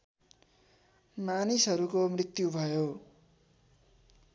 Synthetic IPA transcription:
manisʌɾukomrit̪jubʱʌjo

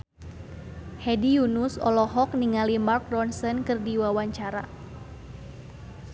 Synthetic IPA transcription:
hɛdijunusɔ̰lɔɦɔk̚niŋalimark̚dɔnsənkɨrdiwawaɲt͡ʃaɾa

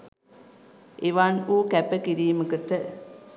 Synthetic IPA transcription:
ʔeʋanuːkæpəkiɾiːməkəʈə

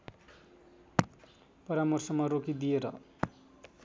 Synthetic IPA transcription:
pʌɾamʌrsʌmʌɾokid̪ijeɾʌ̰

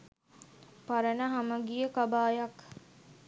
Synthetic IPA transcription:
paɾənəɦaməɡijəkabaːjak

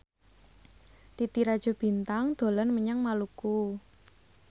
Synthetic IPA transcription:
t̪it̪iɾad̥ʒ̥ɔ̤b̥i̤nt̪aŋd̪̥o̤lanməɲaŋmaluku

